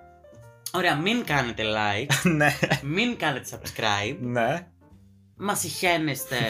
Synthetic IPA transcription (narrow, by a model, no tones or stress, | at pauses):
o̞ɾeɐmiŋkɐnet̪elɐjknemiŋkɐnet̪esɐbskɾɐjbne | mɐsiçe̞nest̪e̞